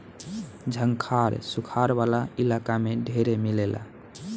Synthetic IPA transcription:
d͡ʒʱəŋkʰaɾsukʰaɾbalailakameɖʱeɾemilela̰

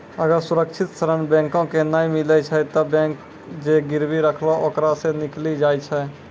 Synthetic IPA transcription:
əɡəɾsuɾəkt͡ʃʰit̪st̪ʰəɾənbɛ̃ŋkõkenajmilɛt͡ʃʰɛt̪ɔbɛ̃k | d͡ʒeɡiɾbiɾəkʰloʔokɾasẽniklid͡ʒajt͡ʃʰɛ

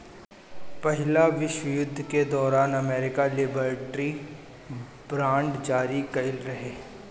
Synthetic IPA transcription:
pɐɦɪlaʋɪʃwəjʊd̪ʱːked̪ɔːɾaːnɐmeːɾɪkalɪbəɾʈɾi | bɾãːɳɖd͡ʒaːɾikɐɪlɾɐɦeː

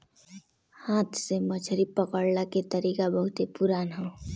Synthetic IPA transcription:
hãːt̪ʰseməd͡ʒʰʱəɾipəkəɽlaket̪əɾiːkabəɦʊt̪epuɾaːnɦoː

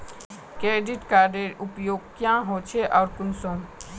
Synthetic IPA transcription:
kɾeːɖɪʈkaːɾɖeɾʊpjoːɡ̚kjãːɦot͡ʃʰeʔɔːɾkʊnsõː

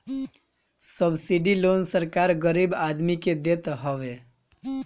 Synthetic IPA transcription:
səbsiɖilonsəɾkaɾɡəɾibad̪miked̪et̪ɦɔʋe

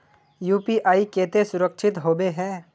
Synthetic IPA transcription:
juːpiʔaːikeːt̪esʊɾəkʃʰɪt̪ɦoːbeɦɛ̃ː

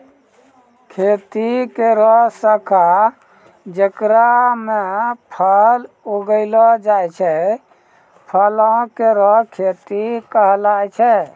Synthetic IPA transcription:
kʰet̪ikeɾɔɦsəkʰa | d͡ʒəkɾamepʰəl | oɡəɪlɔd͡ʒajt͡ʃʰɛ | pʰəlɔ̃keɾɔɦkʰet̪ikəɦlajt͡ʃʰɛ

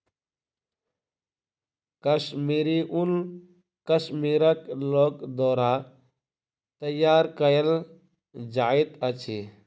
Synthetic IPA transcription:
kɐʃmiːɾiʔun | kɐʃmiːɾəkloːkd̪oːɾa | t̪ɐjaːɾkɐjəl | d͡ʒaːit̪ɐt͡ʃʰi

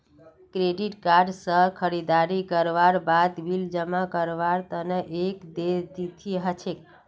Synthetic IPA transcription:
kɾeɖiʈkaɾɖsəkʰəɾid̪aɾikəɾʋaɾbad̪bild͡ʒəmakəɾʋaɾt̪əneʔekd̪ed̪it̪ʰiɦət͡ʃʰek

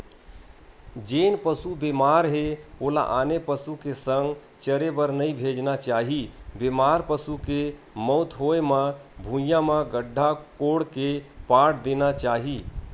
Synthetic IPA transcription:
d͡ʒenpəsubemaɾɦeola̰ʔanepəsukesəŋɡ | t͡ʃəɾebəɾnəibʱed͡ʒnat͡ʃaːɦibemaɾpəsuke | mɔʊt̪ʰɦoeməbʱũjãmə̃ɡəɖʱːakoɽkepaʈʰd̪enat͡ʃaːɦi

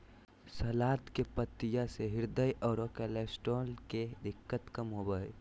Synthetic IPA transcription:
sɐlaːt̪kepət̪ːɪjaseɦɪɾd̪əjʔɔːɾokɛleːsʈoːlked̪ɪkːət̪kəmɦobəe

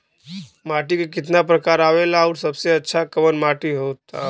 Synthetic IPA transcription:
maʈikekɪt̪napɾəkaɾaʋelauɾsəbseətːʃʰakəʋənmaʈiɦot̪a̰

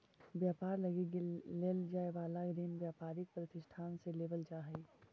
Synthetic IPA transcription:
bjaːpaːɾlɐɡiɡleːld͡ʒaːebaːlaɡɾeːnbjaːpaːɾɪk̚pɾɐt̪ɪʃʈʰaːnseleːbəld͡ʒaːɦɛi

